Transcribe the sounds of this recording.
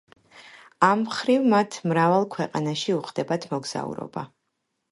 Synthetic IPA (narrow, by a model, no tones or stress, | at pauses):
amχɾivmat̪ʰmɾavalˠkʰwɛqʼanaʃiuχd̪ɛbat̪ʰmɔɡz̥a̰ṵɾɔ̰ba